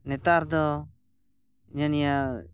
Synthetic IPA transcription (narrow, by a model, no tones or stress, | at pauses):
nɛt̪aɾd̪ɔ | ɲanija